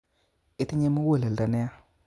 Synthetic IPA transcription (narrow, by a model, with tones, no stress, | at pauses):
ɪ˨˦tɪ˦ɲe˦mu˦wo˦˨le˨lda˨nɛ˦a˦